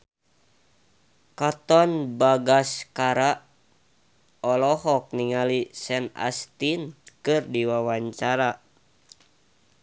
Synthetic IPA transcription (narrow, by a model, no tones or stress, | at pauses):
kat̪ɔnbaɡaskaɾa | ɔlɔhɔk̚niŋalisɛna̰st̪inkɨrdiwawaɲt͡ʃaɾa